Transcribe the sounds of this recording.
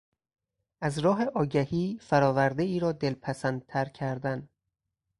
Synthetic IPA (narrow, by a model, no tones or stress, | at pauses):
ʔæzɾɒːɦe̞ʔɒːɟæhiːfæɾɒːvæɾd̪eiːɾɒːd̪e̞lpʰæsænd̪̥̚t̪ʰæɾcʰæɾd̪æn